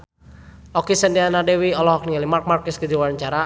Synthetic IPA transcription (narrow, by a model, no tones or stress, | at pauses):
ɔkisəndianadɛwiɔlɔɦɔk̚nialimark̚markɛskəd͡ʒiwaɲt͡ʃaɾa